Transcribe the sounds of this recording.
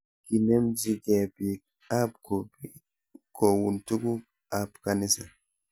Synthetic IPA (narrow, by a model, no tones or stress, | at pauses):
kinɛmd͡ʒiɡɛbi | abkɔb | kɔwuntuɡu | abkanisa